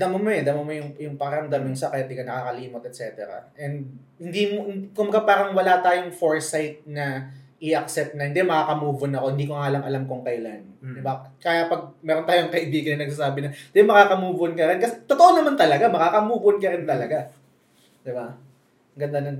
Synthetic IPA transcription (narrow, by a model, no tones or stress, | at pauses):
d̪ɐmomoɛd̪ɐmomojʊŋjʊŋpɐkɐɾɐmd̪amjʊŋsɐkɛt̪ːɪɡɐnɐkaːkɐliːmot̪ɛt̪̚t͡ʃɛːt̪ɛ̰ɾɐ̰ʔɛnd̪̚ | hɪnd̪iːmoɪkʊmbɐɡapaːɾɐŋwɐlat̪aːjoŋfoɹsajt̪̚nɐ | ɪʔɐk̚sɛp̚t̪̚nɐhɪnd̪ɛmɐkaːkɐmuːbonɐko̞hɪnd̪iːkoŋaːʔɐlɐmɐlamkoŋkɐjla̰nɪbakaːjapɐɡ̚mɛːɾont̪aːjoɐŋkɐʔɪbiːɡɐnɐnɐɡ̚s̬asaːbɪnɐd̪ɛmɐkaːkɐmuːbʊonkɐɾɪnkɐsɛt̪ot̪oʔonɐmant̪ɐlɐɡamɐkaːkɐmuːbʊonkɐɾɪnt̪ɐlɐɡa | d̪ɪba | ɡɐnd̪anon